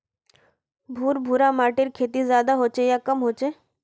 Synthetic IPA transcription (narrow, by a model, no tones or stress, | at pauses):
bʱuːɾbʱuːɾamaːʈɪɾkʰeːt̪izjaːd̪aɦoːt͡ʃejaːkəmɦoːt͡ʃeː